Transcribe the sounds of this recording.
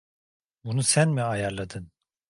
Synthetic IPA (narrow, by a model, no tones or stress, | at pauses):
bunusænmiajaɾlˠad̪ɯn